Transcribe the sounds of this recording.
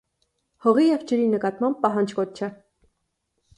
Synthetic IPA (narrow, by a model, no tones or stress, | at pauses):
hɔʁijɛvd͡ʒəɾinəkɑt̪mɑmb̚ːɑɦɑnd͡ʒkɔt̪̚t͡ʃʰɛ